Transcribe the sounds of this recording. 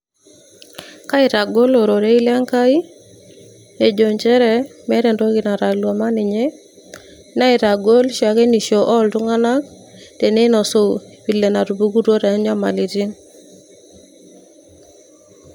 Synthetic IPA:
ka˦ɪ˨ɾa˨ɡo˦lo˨ɾo˨ɾe˦i˦la˦ŋka˦ɪ˦ | e˨d͡ʒo˨ɲt͡ʃɛ˦ɾɛ˦mɛ˦ɾɛ˨ndo˦ɡɪ˨na˨ɾa˨lwa˨ma˦nɪ˨ɲe˦ | na˦ɪ˨ɾa˨ɡo˦lʃa˨ke˦ni˨ʃo˨ʔɔ˦ltʊ˦ŋa˦na˦k | te˨ne˦nɔ˨so˨pi˨lːe˨na˨ɾu˨bu˦ɡu˦ɾwo˦ɾa˨˦ɲa˦ma̰˨li˨ti˦n

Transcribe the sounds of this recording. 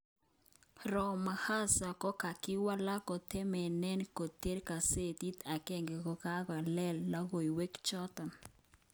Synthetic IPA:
ɾɔ˨ma˨ha˦sa˨kɔ˦ka˨kɪ˦wa˦la˦kɔ˨t̪e˦me˨nɛ˦nko˨t̪e˦ɾka˨se˦t̪i˦t̪ʰa˨ke˦ŋɡe˨kɔ˨ka˦ɡa˨lɛ˦lːa˦ɡo˨jwe˦kt͡ʃɔ˦t̪ɔ˨n

